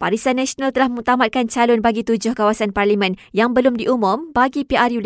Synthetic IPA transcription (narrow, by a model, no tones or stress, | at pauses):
paɾisanãsonalt̪əlahmə̃ŋut̪amat̪̚kant͡ʃalʊnbaɡit̪ud͡ʒʊhkawasanparlimə̃njaŋbəlʊmdiʔumʊ̃mbaɡipiarju